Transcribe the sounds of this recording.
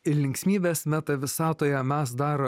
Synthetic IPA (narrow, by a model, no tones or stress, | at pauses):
ɪlʲɪŋksʲmʲiːbʲeːsmʲæt̪ɐʋʲɪsɑːt̪oːjɛmʲæs̬d̪ɑːɾo